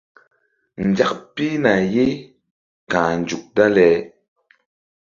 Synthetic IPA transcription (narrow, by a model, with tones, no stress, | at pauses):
n̩˨d͡ʒa˦k̚pi˦na˨je˦ | kãː˨n˨d͡ʒu˨k̚da˦lɛ˨˦